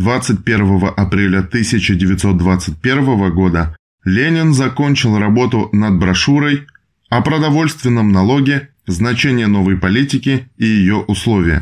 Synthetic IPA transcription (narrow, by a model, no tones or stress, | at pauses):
d̪vat̪sɨt̚ʲpʲe̞rvəvəʔɐpɾʲelʲət̪ɨsʲɪt͡ɕɪdʲɪvʲɪt̪so̞t̪̚d̪vat̪sɨt̚ʲpʲe̞rvəvəɡo̞d̪ə | lʲenʲɪnzɐko̞nʲt͡ɕɪlˠrɐbo̞t̪ʊnɐd̪̚bɾɐʂuɾəj | ɐpɾəd̪ɐvo̞lʲst̪vʲɪnːəmnɐlˠo̞ɡʲɪ | znɐt͡ɕenʲɪjəno̞vəjpɐlʲitʲɪkʲɪijɪjo̞ʔʊslˠo̞vʲɪjə̰